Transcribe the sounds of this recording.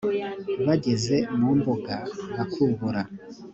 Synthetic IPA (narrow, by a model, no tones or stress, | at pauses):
βaɟe̞ze̞muːmboɡaβakʰuːŋɡuɾa